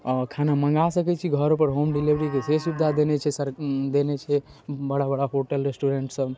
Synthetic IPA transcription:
ɔkʰanaməŋɡasəkɛt͡ʃʰiɡʱəɾopəɾɦomɖilibəɾikesesubd̪ʱad̪enɛt͡ʃʰɛsəɾd̪enɛt͡ʃʰɛbəɽabəɽaɦoʈəlɾesʈuɾeɳʈsəb

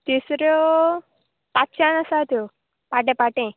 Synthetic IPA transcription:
t̪isɾu | pat͡ʃanɐsaːt̪u | paʈ̬ẽpaʈẽ

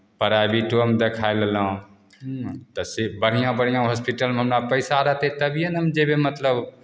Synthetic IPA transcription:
pəɾabiʈomd̪ekʰaellə̃ | t̪əsebəɽ̤ijãbəɽ̤ijãɦɔspiʈəlmɦəmɾapəɪsaɾəɦt̪et̪əbʱijənəmd͡ʒebemət̪ləb

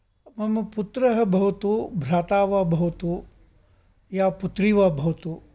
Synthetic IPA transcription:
mɐmɐput̪ɾɐɦɐ̆bʱɐʋt̪ubʱɾaːt̪aːʋabʱɐʋt̪u | jaːput̪ɾiːʋaːbʱɐwt̪u

